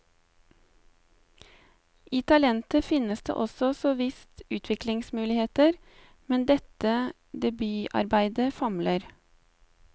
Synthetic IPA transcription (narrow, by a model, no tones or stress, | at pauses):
ʔiːt̪ʰɑlɛnt̪əfɪnəsd̪ḛːʔɔsɔsɔʋɪst̪ʉːt̪ʰʋɪklɪŋsmʉːlɪheːt̪əɾ | mɛnd̪ɛt̪ə | d̪ɛbyːʔɑ̰ɾbæɪd̪əfɑmləɾ